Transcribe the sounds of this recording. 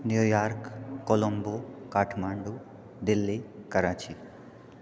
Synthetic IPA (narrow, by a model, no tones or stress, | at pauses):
njuːjaːɾkkːolombokaːʈʰmaːɳɖu | ɖ̪ilːikɐɾaːt͡ʃi